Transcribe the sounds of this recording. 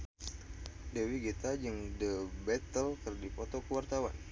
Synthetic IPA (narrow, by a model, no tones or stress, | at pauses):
dəwiɡit̪ad͡ʒəŋdəbɛt̪əlkɨrdipɔt̪ɔkəwart̪awan